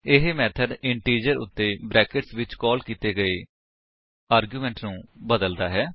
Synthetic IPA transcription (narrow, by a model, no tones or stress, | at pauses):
ɪɦmɛːt̪ʰəɖɪɳʈiːd͡ʒəɾʊ̰t̪ːeːbɾɛːkɪʈsʋɪt͡ʃkɔːlkiːt̪eːɡəeː | aːɾɡjuːmɛ̃ːɳʈnũːbəd̪əld̪aːɦɛː